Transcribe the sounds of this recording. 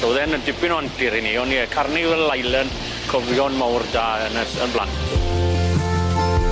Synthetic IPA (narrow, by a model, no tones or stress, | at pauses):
ɔwðɛnəndɪbɪnɔantɪɾiniɔniəkʰarnivɛllajlˠən | kʰɔvjɔnmawrdaːənəsənblˠa̰ntʰ